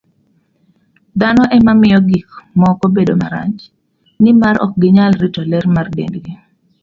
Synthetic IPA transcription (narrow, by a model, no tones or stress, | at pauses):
d̪anɔʔɛmamɪjɔɡikmɔkobedomaɾa̰ɲt͡ʃ | nɪmaɾɔ̰k̚ɡɪɲalɾitɔlɛɾmardḛndɡi